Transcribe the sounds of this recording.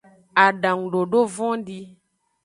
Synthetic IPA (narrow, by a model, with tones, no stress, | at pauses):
a˨ɖã˨ŋ˨ɖo˨ɖo˦vɔ̃˦ɖi˦